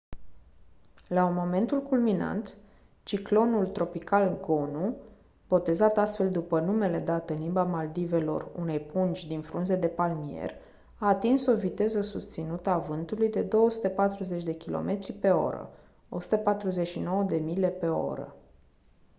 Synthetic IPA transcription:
lamo̞me̞nt̪ulkulmina̰nt̪ | t͡ʃiklo̞nult̪ɾo̞pikalɡo̞nu | b̥o̞t̪e̞zat̪ast̪fe̞ld̪upənume̞le̞d̪at̪ɨnlimbamald̪ive̞lo̞̰rṵne̞jpunt͡ʃʲd̪infɾunze̞d̪e̞palmie̞̰r | aːt̪inso̞vit̪e̞zəsust̪sinut̪əavɨnt̪ulujd̪e̞d̪o̞wəsut̪əpat̪ɾuze̞t͡ʃʲd̪e̞kʲilʔo̞̰mʔe̞t̪ɾipe̞o̞̰ɾə̰ | o̞su̥t̪əpat̪ɾuze̞ʃino̞wəd̪e̞mile̞pe̞o̰ɾə̰

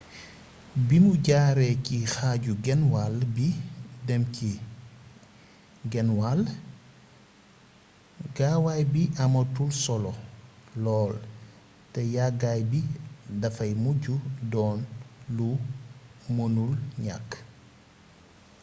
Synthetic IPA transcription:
bimuɟaːɾɛcixaːɟuɡɛnwalbidɛmci | ɡɛnwal | ɡawajbiʔɐmɐtulsɔlɔlɔːl | tɛjaɡajbidɐfɐjmuɟudɔːnlu | monulɲa̰kː

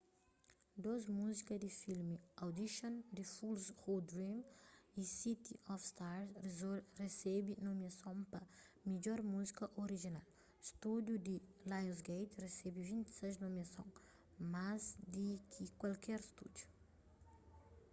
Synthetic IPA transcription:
d̪ozmuzikɐd̪ifilmiawd̪iʃõnd̪ifulshod̪ɾĩmisit̪iɔfst̪aɾsresɛbinomiɐsõw̃pɐmiʎɔɾmuzikɐʔoɾiʒinal | st̪ud̪jud̪ilajzɡejt̪resɛbivĩnt̪i̥sɛznomiɐsõ̰ | mazd̪ikʰikwalkɛɾst̪ud̪ju̥

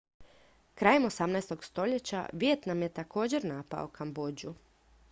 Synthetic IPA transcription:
kɾaːje̞mo̞samnajst̪oɡst̪o̞ʎe̞t͡ɕa̰ʋjet̪namje̞t̪ako̞ːd͡ʑe̞ɾnaːpa̰o̰kʰambod͡ʑu

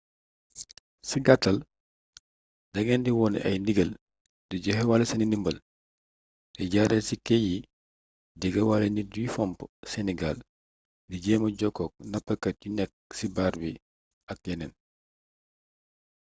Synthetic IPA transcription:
siɡatːɐl | dɐɡɛndiwɔːnʔɐ̰jndiɡɐl | diɟɔhɛwalɐsɐninimbɐl | tɛɟaɾɛlsikɛji | dɛɡɐwalɐnidifɔmpsɛnɛɡal | diɟɛːmɐɟɔkːɔk̚nɐpːɐkɐt̚junɛk̚sibaːɾbi | ɐk̚jɛnɛn

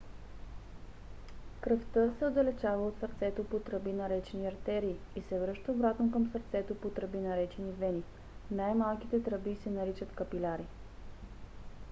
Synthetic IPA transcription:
kɾəft̪ɤsɛod̪ɐlɛt͡ʃavɐot̪səɾt̪sɛt̪opot̪ɾəbinɐɾɛt͡ʃɛniɐɾt̪ɛɾiːisɛvɾɤʃt̪əobɾat̪nokəmsəɾt̪sɛt̪opot̪ɾəbinɐɾɛt͡ʃɛnid̪vɛni | najmalˠkit̪ɛt̪ɾəbisɛnɐɾit͡ʃət̪kəpilʲaɾi

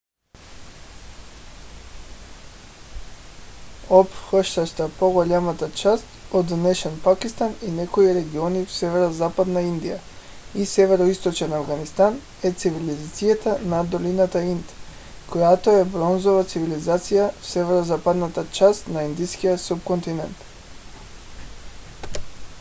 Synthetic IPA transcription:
opxəʃt̪aʃt̪apoɡoʎamat̪at͡ʃast̪od̪nɛʃɛnpakist̪aninɛkoiɾɛɡionifsɛvɛɾozapad̪naind̪ija | isɛvɛɾoist̪ot͡ʃɛnavɡanist̪an | ɛt̪sivilizat̪sijat̪anad̪olinat̪aint̪ | kojat̪oɛbɾonzovat̪sivilizat̪sijafsɛvɛɾozapad̪nat̪at͡ʃast̪naind̪iskijasupkont̪inɛnt̪

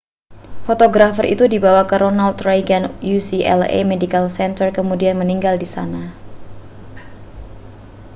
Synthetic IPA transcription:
fot̪oɡɾafərʔḭt̪udibawakəɾʔonalt̪ɾajɡanjusiʔɛ̰lḛmedikalsɛnt̪ərkəmudianməniŋɡaldisana

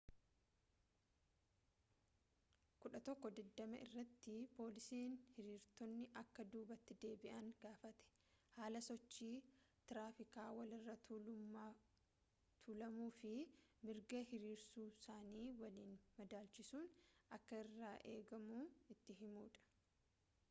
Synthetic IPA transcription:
kʊᶑɐt̪ɔkːɔd̪ɛd̪ːɐmɐʔɪ̰rːɐt̪ːɪpo̞ːlɪsiːnhɪɾiːɾt̪ɔnːɪʔɐkːɐd̪uːbɐt̪ːɪd̪e̞ːbɪʔɐŋɡaːfɐt̪ɛ̥ | haːlɐsɔt͡ʃːiːt̪ɪɾaːfɪkaːwɐlɪrːɐ | t̪ʰulɐmuːfɪmɪɾɡɐhɪɾiːɾsuːsaːniːwɐliːnmɐd̪aːlt͡ʃɪsuːnɐkːɐɪrːaːʔeːɡɐmuɪt̪ːɪɦɪmuːᶑɐ̥

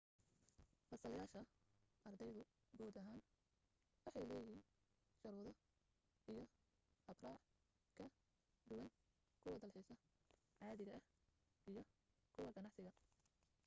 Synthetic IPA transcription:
fɐsɐljaːʃɐʔɐrd̪ɛjðʊ | ɡɔːd̪ɐɦaːn | wɑħɑjlɛːjɪɦiːn | ʃɐɾuːðɔ | ijɞ | hɐbraːʕ | kʰɐ | ɖ̪ʊwɐn | kʰʊwɐd̪ɐlħiːsɐ | ʕɑːðɪɣɐʔɐh | ijɞ | kʰʊwɐɡɐnɑʕsɪɣɐ

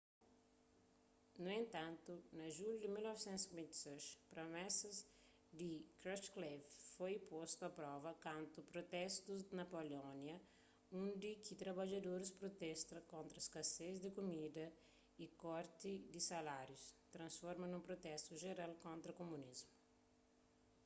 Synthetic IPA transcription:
nuẽnt̪ãnt̪unɐʒuljud̪ɪmilnɔvsɛ̃nt̪skwẽnt̪i̥seʃpɾomɛsɐz | d̪ikɾɔsklevfojpost̪uɐpɾɔvɐkãnt̪upɾot̪ɛst̪uzd̪nɐpolɔnjɐ | ũnd̪ikʰit̪ɾɐbad͡ʒɐd̪oɾɪspɾot̪ɛst̪ɐkõnt̪ɾɐskɐsezd̪ɪkumid̪ɐ | ikɔɾt̪id̪isalaɾjust̪ɾɐ̃nsfɔɾmɐnũmpɾot̪ɛst̪uʒeɾalkõnt̪ɾɐkomũnizmu

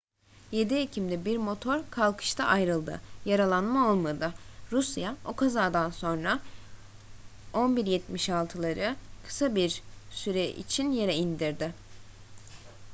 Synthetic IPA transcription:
je̞d̪iecʰimd̪ɛbiɾmo̞t̪ʰo̞ɾkʰalˠkʰɯ̥ʃt̪ʰaʔajɾɯlˠd̪ɯ̰jaɾalˠanmao̞lˠmad̪ɯɾusjaokʰazaːd̪anso̞nɾa | o̞nbiɾjɛt̪miʃalˠt̪ʰɯlˠaɾɯkʰɯ̥sabiɾsyɾɛʔḭt͡ʃʰinje̞ɾɛind̪iɾd̪ɪ

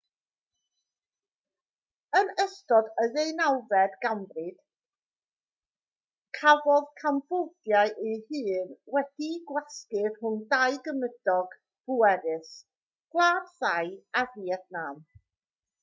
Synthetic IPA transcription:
ənəstɔdəðejnawvɛdɡambrɨd̥ | kʰavɔðkʰambɔdjaɨʔihɨːnwɛd̥iɡwɛskɪrhʊndajɡəməd̥ɔɡ̥ | b̥uɛɾɪs | ɡ̥lˠaːd̥θajaviɛdnaːm

